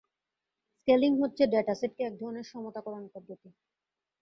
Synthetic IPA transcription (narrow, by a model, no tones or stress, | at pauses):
skeliŋɦotːɕʰeɖeʈasiʈ̚keɛk̚d̪ʱɔɾoneɾʃɔmot̪akɔɾanpɔd̪ʱːot̪i